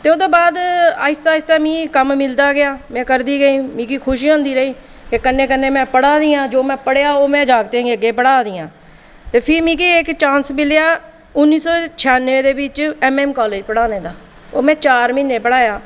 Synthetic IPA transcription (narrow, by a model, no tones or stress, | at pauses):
t̪eːoːd̪oːbaːd̪aɪst̪aːɪst̪aːmĩːkəmmɪld̪aːɡɪaːmɛ̃ːkəɾd̪iːɡəĩːmĩːkiːkʰʊʃiɔ̃ːnd̪iːɾəiː | kekənːẽːkənːẽːmɛ̃ːpəɽaːd̪ijãːd͡ʒoːmɛ̃ːpəɽeaːoːmɛ̃ːd͡ʒaːɡt̪ẽɡeəɡːeːpəɽaːd̪ɪːãː | t̪eːpʰɪɾmĩːkiːeːkt͡ʃãːnsmɪlejaː | ʊnːiːsɔːt͡ʃʰaːneːd̪eːbɪt͡ʃɛːmɛːmkaːleːd͡ʒpəɽaːneːd̪aː | oːmɛ̃ːt͡ʃaːɾmɪnːẽːpəɽaːjaː